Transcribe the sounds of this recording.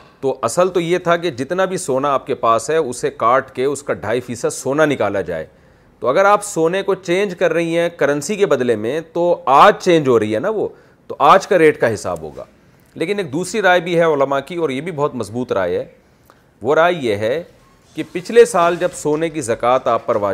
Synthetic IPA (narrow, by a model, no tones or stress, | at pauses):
t̪oʔɐsəlt̪ojet̪ʰak̬ed͡ʒɪt̪nabʱisoːnaːp̚kepaːsɦɛʊsekaːɾʈkeʊskaɖʱaːifiːsəd̪soːnanɪkaːlad͡ʒa̰ːḛː | t̪oɐɡəɾaːpsoːnekot͡ʃẽːnd͡ʒkɐɾːɐɦiɦɛ̃kɐɾə̃nsikebɐd̪lemẽt̪oaːd͡ʒt͡ʃẽːɲd͡ʒɦoɾɐɦiɦɛnaʋoː | t̪oʔaːd͡ʒkaɾeːʈkaɦɪsa̰ːbɦo̰ːɡa̰ː | leːkɪneːk̚d̪uːsɾiɾaːjbʱiɦɛʊləmakiɔːɾjebʱibɔɦʊt̪mɐzbuːt̪ɾa̰ːjɦɛː | ʋoɾaːjjeɦɛ | kipɪt͡ʃʰlesaːld͡ʒɐbsoːnek̬izɐkaːt̪aːpːɐɾʋaː